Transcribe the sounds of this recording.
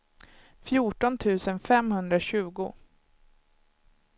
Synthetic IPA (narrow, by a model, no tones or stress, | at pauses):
fjuːʈɔnt̪ʰʉ̟ːsənfɛmhɵnd̪ɾaɕʉ̟ːɡʊ̰